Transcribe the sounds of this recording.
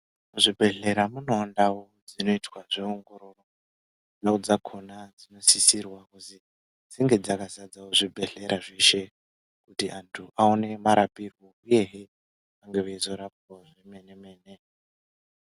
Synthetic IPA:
muʐibʱe̞ɮe̞ɾamuno̞ːndawod͡zino̞itʰwaʐeoŋɡo̞ɾo̞ro | ndaud͡zakʰo̞nad͡zino̞sisirwakuzi | d͡ziŋɡe̞d͡zakazad͡zawoʐibʱe̞ɮe̞ɾaʐe̞ʃe̞ | kutiʔantʰuʔaone̞maɾapirwouje̞ɦe | aŋɡe̞ʋezo̞ɾapoʐeme̞ne̞me̞ːne̞

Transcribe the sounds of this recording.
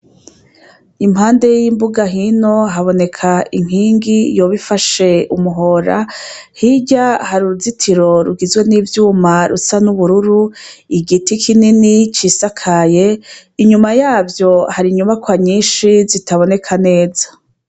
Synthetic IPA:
imhaːnde̞jiːmbuɡaɦino̞ɦaβo̞ne̞kʰaiŋ̥hiːŋɡijo̞βifaʃe̞umuɦo̞ːɾa̰hiɟahaɾuɾuzitʰiɾo̞ɾuɡizɡwe̞niːvjuːmaɾusanuβuɾuɾuiɡitikʰininit͡ʃisakʰaje̞iɲumajaːvjo̞haɾiɲuβakwaɲiːnʃizitaβo̞ne̞kʰane̞ːza

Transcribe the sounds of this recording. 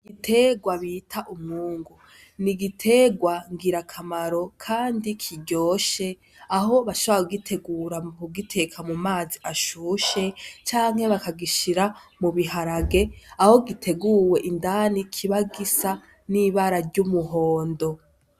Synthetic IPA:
ɡitʰe̞ɡwaβitʰaʔumŋuːŋɡu | niɡitʰe̞ɡwaŋɡiɾakʰamaɾo̞kʰaːndikʰiɟo̞ːʃe̞ | aɦo̞βaʃoβoɾakuɡitʰe̞ɡuɾamuɡitʰe̞kʰamumaːziʔaʃuːʃe̞t͡ʃaːŋhe̞βakaɡiʃiɾamuβiɦaɾaɡe̞aho̞ɡitʰe̞ɡuːwe̞ʔindanikʰiβaɡisa | niβaɾaɾɟumuɦo̞ːndo̞

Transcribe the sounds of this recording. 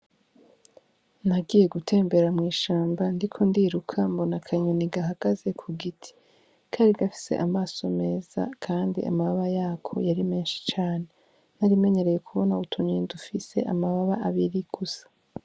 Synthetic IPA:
naɡiːje̞ɡutʰe̞ːmbe̞ɾamŋiːʃaːmbandikʰo̞ndiːɾukʰambo̞nakʰaɲoniɡaɦaɡ̥aze̞kʰuɡitʰi̥ | kʰaːɾiɡafi̥sḛʔamaːso̞me̞ːz̥a̰kʰaːndḭʔa̰maβaβajaːkʰo̞̰jaɾime̞ːnʃi̥t͡ʃaːne̞ | naɾime̞ɲe̞ɾe̞je̞kʰuβo̞nautʰuɲidufise̞̰ʔa̰maβaβaʔaβiɾiɡ̥usḁ

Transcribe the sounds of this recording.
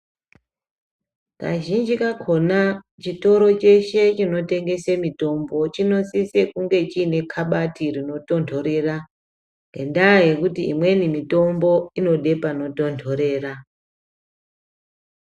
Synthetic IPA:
ka̰ʒind͡ʒikakʰo̞na | t͡ʃito̞ɾo̞t͡ʃe̞ʃe̞t͡ʃino̞te̞ŋɡe̞semito̞mbo̞t͡ʃino̞sise̞kuŋɡe̞t͡ʃiːne̞kʰaɓatirino̞to̞ntʰo̞ɾe̞ra | ŋɡḛndaje̞kutiːmwe̞nimito̞mbo̞ino̞ɗe̞pano̞to̞ntʰo̞ɾe̞ːra

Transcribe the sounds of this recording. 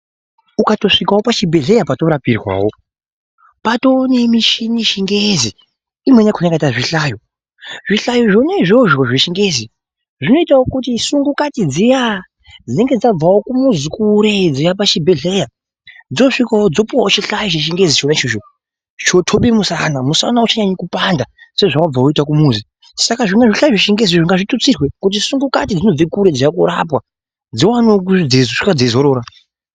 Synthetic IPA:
ukato̞ʂikawopat͡ʃibʱe̞ɮe̞japato̞ɾapirwa̰wo̞ | pato̞ːnemiʃiniʃiŋɡezi | imwenakunakaitaʐiɬajo | ʐiɬajoʐonaiʐo̞ʐo̞ʐiʃiŋɡe̞zi | ʐino̞itawokutisuŋɡukatid͡zija | d͡zine̞ŋɡe̞d͡zab͡vawokumuzikuɾed͡zijapat͡ʃibʱe̞ɮe̞ja | d͡zio̞ʂikawod͡zo̞puwawot͡ʃiɬaiʒeʃ̬iŋɡed͡zit͡ʃonait͡ʃiʃo | t͡ʃo̞tʰoɓimusanamusa̰naut͡ʃaɲaɲikupandase̞ʐoʐakab͡vawoitakumuːzi | sakaʐiŋɡaʐiɬaiʐeʃiŋɡezioʐiŋɡaʐitut͡sirwekut̬isuŋɡuka̰tid͡zino̞b͡vekuɾe̞d͡zijakuɾa̰pwa | d͡ziwanok̬ud͡zezoʂikad͡zezoɾoːɾa

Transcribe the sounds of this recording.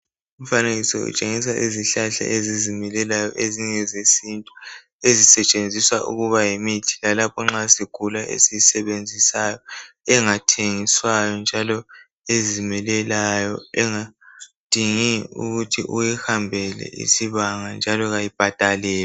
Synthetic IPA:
um̩faneɣisɔṵt͡ʃʼeŋisaʔeziɬaɬa̰ʔezizimɛlɛlajɔʔeziŋɛzesintʼu | ezisɛt͡ʃʼend͡zʱiswaʔṵɣuβajemitʰi̥lalapʰɔŋ͡ǁasiɡ̥ʱulaʔḛsisɛβend͡zʱisajɔ | ɛŋatʰeŋiswajɔnd͡ʒʱalɔ | ezimɛlɛlajɔɛŋad̥ʱiŋiṵɣutʰḭʔujɛhambʱɛlɛ̰ḭsiβaŋand͡ʒʱalɔɣajib̥ʱad̥ʱalɛːla

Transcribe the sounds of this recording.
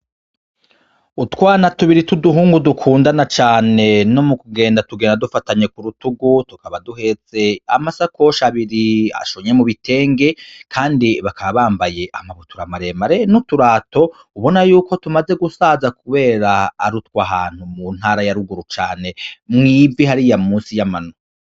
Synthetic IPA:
utwaːnatuβiɾituduɦuːŋɡudukʰuːndanat͡ʃaːne̞no̞mukuɡe̞ːndatuɡeːndadufataɲe̞kuɾutuɡutukaβaduɦe̞ze̞amasako̞ʃaβiɾia̰ʃoɲe̞muβitʰe̞ːŋɡe̞kʰaːndiβakaβaβaːmbaje̞ʔamaβotuɾamaɾemaɾenutuɾaːto̞ | uβo̞najuːko̞tumaze̞ɡusaːzakuβe̞ːɾaːɾutwaɦaːn̥humun̥haːɾajaɾuɡuɾut͡ʃaːne̞mŋiːviɦaɾijamuːnsijamano

